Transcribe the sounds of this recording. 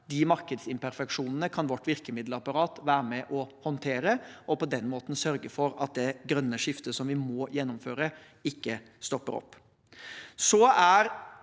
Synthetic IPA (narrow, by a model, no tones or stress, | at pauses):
d̪ɪmɑɾkəd̪sɪmpæɾfɛkʂuːnənəkʰɑnʋɔʈːʋɪɾkəmɪd̪ləɑpɑɾɑːt̪ʋæːɾəmɛʔɔhɔnt̪ʰeːɾəɔpɔd̪ɛnmoːt̪n̩sœɾɡəfɔɾɑ̰t̪̚d̪ɛɡɾœnːəʂɪft̪əsɔmʋɪmɔːjɛnːʊmføːɾə | ɪkːə | st̪ɔpːə̰ɾɔ̰pː | sɔæɾ